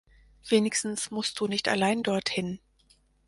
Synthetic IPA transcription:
v̥eːnɪçstn̩smʊst̚d̥uːnɪçta̰laɪndɔɐthɪn

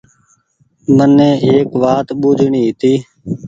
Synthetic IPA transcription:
mənːẽːeːkʋaːt̪ɓuːd͡ʒʱɳiːɦɪt̪iː

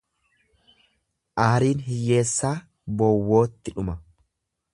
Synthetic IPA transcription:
ʔahɐɾiːnɦɪjːe̞ːsːaː | bɔwːo̞ːt̪ːɪᶑʊmɐ

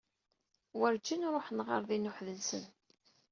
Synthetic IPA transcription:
wəɾd͡ʒinɾˤoħnʁə̰ɾðinʊħðəlsə̰n

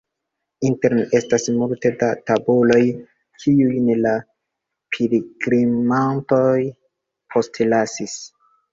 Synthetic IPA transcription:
inteɾne̞stasmuɾte̞databulo̞j | kʰiujnela | pʰiɾiɡɾimanto̞j | pʰo̞stlasis

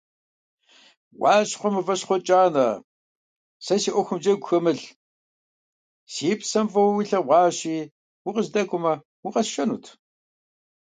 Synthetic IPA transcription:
wɑːɕχʷɔmɨvɐɕχʷɔt͡ʃʼaːnɐ | sɐsiːʔʷɔxʷʊmd͡ʒɐɡʷxɐmɨɬ | siːpsɐmfɐwwiɬɐʁʷɑːɕiː | wiqəzdɐkʷʼʊmɐ | wiqɐsʃɐnṵːtʰ

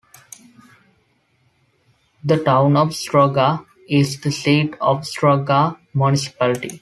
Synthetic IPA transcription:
d̪əʈãʊ̃nɔʋsʈɾɔːɡa | ɪzd̪əseːʈɔːʋsʈɾɔːɡamjunɪsɪ̥pælɪʈḭ

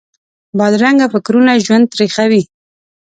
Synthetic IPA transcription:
bɑd̪ɾaŋɡafɪkɾunaʒwand̪̚t̪ɾexawi

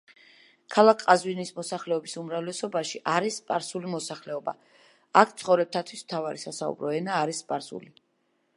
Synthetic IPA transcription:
kʰalˠakʰqʼazwinismɔsaχlɛɔbisumɾavlɛsɔbaʃiʔaɾispʼaɾsulimɔsaχlɛɔba̰ | ak̚ʰt̪sʰχɔvɾɛb̚t̪ʰat̪ʰwismt̪ʰavaɾisasaṵbɾɔɛnaːɾisːpʼaɾsṵli

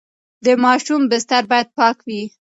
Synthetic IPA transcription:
d̪əmɑʃumbɪst̪aɾbɑjad̪̚pɑkwi

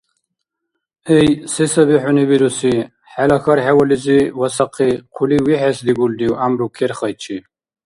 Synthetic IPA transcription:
ejsisɐbiħunibiɾusi | ħalɐxɐɾħewɐliziwɐsɐqʰiqʰuliwiħesd̪iɡuld̪iwamɾukʰeɾχɐjt͡ʃʰi

